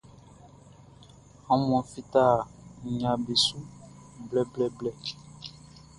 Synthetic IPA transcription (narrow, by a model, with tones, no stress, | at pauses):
ã˨mɔ̃˨fi˦t̪a˦˨ɲã˨be˨su˦blɛ˦˨blɛ˨blɛ˨